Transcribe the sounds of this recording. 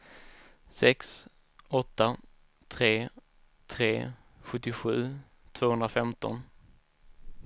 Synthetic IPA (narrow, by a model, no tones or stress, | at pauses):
sɛks | ɔt̪ːa | t̪ʰɾeː | t̪ʰɾeː | ɧɵt̪ːɪɧʉ̟ː | t̪ʰv̥oːhɵnd̪ɾafɛmt̪ɔ̰n